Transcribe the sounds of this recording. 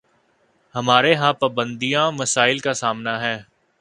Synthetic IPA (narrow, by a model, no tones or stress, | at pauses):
hɐmaːɾeɦãpaːbə̃nd̪ijãːmɐsaːɪlkasaːmnaɦɛː